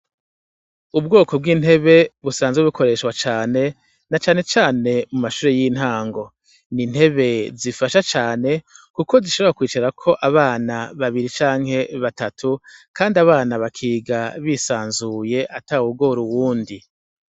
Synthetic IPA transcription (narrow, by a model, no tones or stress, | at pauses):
ubɡoːko̞b̚ɡiːnhe̞βe̞βusaːnzweβikʰo̞ɾe̞ʃkwat͡ʃaːne̞ | nat͡ʃaːne̞t͡ʃaːne̞mumaʃuːɾejin̥haːŋɡo̞ | nin̥he̞βe̞zifaʃat͡ʃaːne̞kuko̞ziʃo̞β̞ɾakwiːt͡ʃaɾakʰo̞ʔaβaːnaβaβiɾit͡ʃaːŋ̥he̞βatatʰukʰaːndiaβaːnaβakʰiːɡaβisaːnzuje̞ʔatauɡo̞ɾuwuːndi